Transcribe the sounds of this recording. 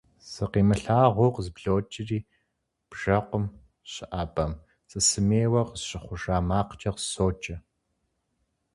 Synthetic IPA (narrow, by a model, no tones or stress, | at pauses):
sɨqiːmɨɬaːʁʷoqzɨbɮoːt͡ʃʼɪriː | b̥ʒ̥ɐqʷʊm | ɕɪʔaːbʼɐm | t͡sʼɨsɨmeːwɐqzɕʼɪχʷʊʂaːmaːqt͡ʃʼɐqzsoːt͡ʃʼɐ